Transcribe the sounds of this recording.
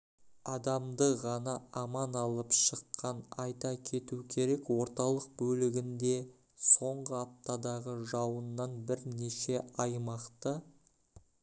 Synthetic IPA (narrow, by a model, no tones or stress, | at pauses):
ɑd̪ɑmd̪əʁɑnɑɑmɑnɑlˠəpʃəqʰːɑnɑjt̪ɑkʲʰe̞t̪ukʲʰe̞ɾe̞kwo̞ɾt̪ɑlˠəq̚bɵlɪɡʲɪnd̪e̞ | so̞ɴʁəɑp̚t̪ɑd̪ɑʁəʒɑwənːɑnbɪɾne̞ʃe̞ɑjmɑqt̪ə